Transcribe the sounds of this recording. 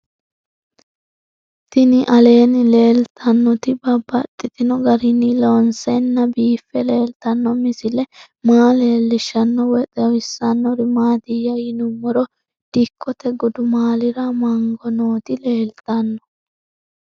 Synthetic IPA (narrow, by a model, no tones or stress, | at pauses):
t̪ɪnɪʔɐle̞ːnɪle̞ːlt̪ʰɐnːɔt̪ɪbɐbːɐt̪ʼːɪt̪ɪnɔɡɐɾɪnɪloːnsɛnːɐbiːfːɛle̞ːlt̪ɐnːɔmɪsɪlɛ | maːle̞ːlːɪʃːɐnːɔwɛt̪ʼɛwɪsːɐnːɔɾɪmaːd̪ɪjːɐjɪnʊmːɔɾɔ | d̪̥ɪkʰːɔt̪ɛɡʊd̪ʊmaːlɪɾɐmɐŋɡɔnoːt̪ɪle̞ːlt̪ɐnːɔ̥